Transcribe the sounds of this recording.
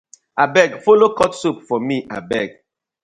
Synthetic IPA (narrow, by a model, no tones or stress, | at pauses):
abɛɡfolokɔtsup̚fɔmiʔa̰bɛɡ̚